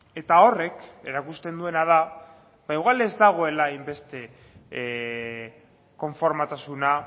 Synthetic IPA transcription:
e̞t̪ao̞re̞ke̞ɾakust̪e̞nd̪ue̞nað̞a | baiɣwale̞zd̪aɣ̞o̞e̞laajmbe̞st̪e̞ | ko̞ɱfo̞ɾmat̪asuna

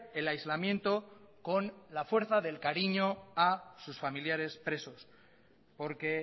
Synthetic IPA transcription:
elajzlamjẽ̞nt̪o̞ko̞nlafwe̞ɾθaðe̞lkaɾiɲo̞asusfamiljaɾe̞spɾe̞so̞s | po̞ɾke̞

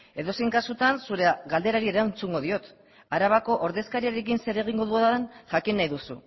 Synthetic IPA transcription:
e̞ðo̞seŋkasut̪ansuɾe̞ɣald̪e̞ɾaɾie̞ɾant͡suŋɡo̞ðio̞t̪ | aɾaβako̞ʔoɾðe̞skaɾiaɾe̞kinse̞ɾe̞ɣ̞iŋɡo̞ðuoðnʝakinːajðusṵ

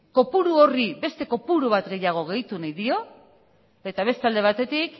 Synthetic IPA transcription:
ko̞puɾuo̞ribe̞st̪e̞ko̞puɾuβ̞at̪ɡe̞jaɣ̞o̞ɣ̞e̞jt̪unajðio̞ | e̞t̪aβ̞e̞st̪ald̪e̞β̞at̪e̞t̪ik

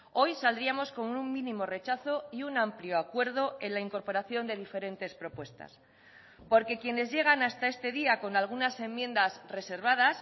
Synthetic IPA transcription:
o̞jsald̪ɾiamo̞sko̞muŋmĩnĩmo̞re̞t͡ʃaθo̞iunampljo̞akwe̞ɾð̞o̞e̞nlaiŋko̞ɾpo̞ɾaθjo̞nd̪e̞ðife̞ɾe̞nt̪e̞spɾo̞pwe̞st̪a̰s | po̞ɾke̞kje̞ne̞zʝe̞ɣ̞anast̪ae̞st̪e̞ðiako̞nalɣ̞unase̞mːjẽ̞nd̪azre̞se̞ɾβ̞að̞as

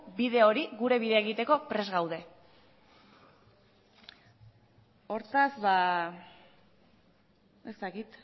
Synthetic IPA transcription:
biðe̞o̞ɾiɣuɾe̞βiðeaeɣ̞it̪e̞ko̞pɾe̞zɣawð̞e̞ | o̞ɾt̪azba | e̞st̪akit̪

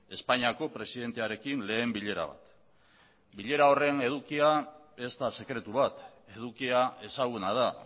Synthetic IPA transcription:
e̞spaɲiako̞pɾe̞siðe̞nt̪e̞aɾe̞kinle̞ːmbiʎe̞ɾa̰β̞a̰t̪ | biʎe̞ɾao̞re̞ne̞ð̞ukiae̞st̪ase̞kɾe̞t̪uβat̪e̞ð̞ukiae̞saɣ̞unað̞a

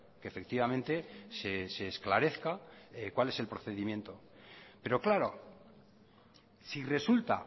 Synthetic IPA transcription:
keːfe̞kt̪iβamẽnt̪e̞sese̞ːsklaɾe̞θkakwale̞se̞lpɾo̞θe̞ðimjẽ̞nt̪o̞ | pe̞ɾo̞klaɾo̞̰ | sire̞sult̪a̰

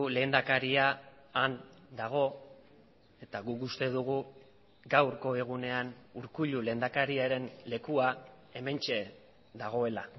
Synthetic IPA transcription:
le̞ːnd̪akaɾiaːnd̪aɣ̞o̞ | e̞t̪aɣukust̪e̞ð̞uɣ̞u | ɡawɾko̞e̞ɣune̞anuɾkuʎule̞ːnd̪akaɾiaɾe̞nle̞kuae̞me̞nt͡ʃe̞ | d̪aɣ̞o̞e̞la

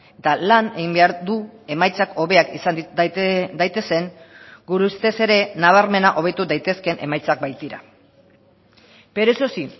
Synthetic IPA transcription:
t̪alane̞ɣimbe̞aɾðue̞majt͡sakʰo̞βe̞akisan | d̪ajt̪e̞se̞ŋɡuɾust̪e̞se̞ɾe̞naβ̞aɾme̞naʔo̞β̞et̪ud̪ajt̪e̞ske̞nʔe̞̰majt͡sak̚bajt̪iɾa̰ | pe̞ɾesosi

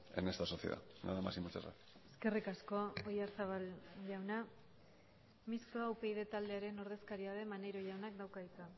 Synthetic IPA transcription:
ḛnest̪asoθiḛða̰na̰ðamasimost͡sa̰ra̰k | eske̞rikasko̞ojaɾsaβalʝawna | mist̪oawpe̞jðe̞t̪ald̪e̞aɾe̞no̞ɾð̞e̞skaɾiað̞e̞manejɾo̞ʝawnak̚d̪awkaðit͡s̪a

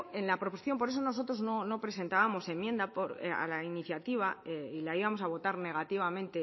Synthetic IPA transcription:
e̞nlapɾo̞p̬oiθjo̞mpo̞ɾes̬o̞no̞s̬o̞t̪ɾo̞zno̞no̞pɾe̞s̬e̞nt̪aβamo̞se̞mje̞nd̪apoɾa̰lainiθjat̪iβ̞aeilaiβamo̞saβ̞o̞t̪aɾne̞ɣ̞at̪iβamẽnt̪e

